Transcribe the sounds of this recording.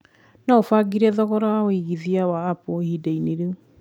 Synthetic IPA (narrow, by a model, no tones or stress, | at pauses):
naofaɡiɾɛðɔɣɔɾaaoiɣiðiawaːpohidaineɾeu